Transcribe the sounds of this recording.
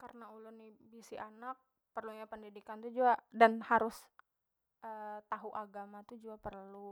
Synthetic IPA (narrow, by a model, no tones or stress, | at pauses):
karənaulʊnːɪbisiʔanak̚ | pərluɲapəndidikant̪ud͡ʒuadanhaɾʊs | əːt̪aɦuʔaɡamat̪ud͡ʒuapərlu